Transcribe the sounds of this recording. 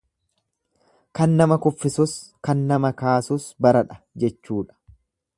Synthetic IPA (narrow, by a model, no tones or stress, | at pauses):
kɐnːɐmɐkʊfːɪsʊskɐnːɐmɐkaːsʊsbɐɾɐᶑɐ̥ | d͡ʒɛt͡ʃːuːᶑɐ̥